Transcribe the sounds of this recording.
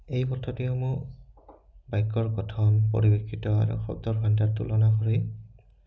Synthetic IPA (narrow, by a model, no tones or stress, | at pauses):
ejmɔtʰɔtiɔmu | bajkːɔɹɡɔtʰɔnpo̰ɹibekʰːitɔa̰ɹṵxɔ̰b̚dɔɹɡʱantatṵlɔnaxɔɹi